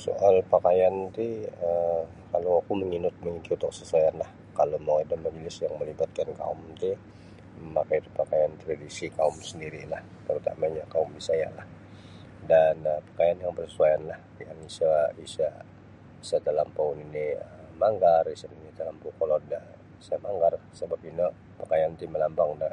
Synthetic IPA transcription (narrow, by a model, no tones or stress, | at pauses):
so̰ʔalpakajant̪iə | kalowakuməŋinʊt̪̚məŋikiut̪ʊksəsuajanlah | kalomawadamənulɪsjaŋməlibat̪̚kanka̰ʊmt̪i | məmakait̪upakajant̪əɾadisikaʊmsəndiɾilah | t̪əɾut̪a̰maɲakaumbisaja̰lah | danəpḁkajanjaŋbərsəsuajanlah | jaŋisaisa | isat̪əlampauniniəmaŋɡarisaninit̪əlampukolɔrda | samaŋɡarsəbap̚ino | pakajant̪iməlambaŋda